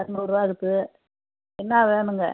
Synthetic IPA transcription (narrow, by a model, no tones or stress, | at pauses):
ɐɾnuʊɾʋaːɣɯt̪ːɯ | ɛnːaːʋeːnɯŋɡɐ